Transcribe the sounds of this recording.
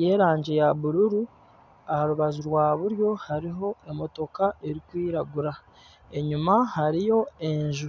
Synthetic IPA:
je̞ːɾaːɲɟe̞jaβuɾuɾu | ahaɾuβazuɾwaːβuɾjo̞haɾiɦo̞e̞mo̞to̞kae̞ɾikwiːɾaɡuɾa | e̞ɲumahaɾijo̞e̞ɲʒu

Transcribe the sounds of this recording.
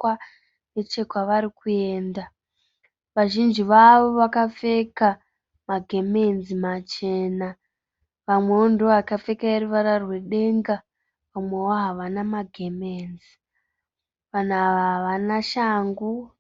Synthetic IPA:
a | net͡ʃe̞kwaʋaɾikuje̞ːnda | ʋaʒind͡ʒiʋaʋo̞ʋakap͡fe̞ka | maɡʱe̞menzimat͡ʃe̞ːna | ʋamwe̞ondoakafe̞kaeruʋaɾarwe̞ɗe̞ŋɡa | ʋamwe̞woɦaʋanamaɡʱemeːnzi | ʋanaʋaɦaʋanaʃaːŋɡu

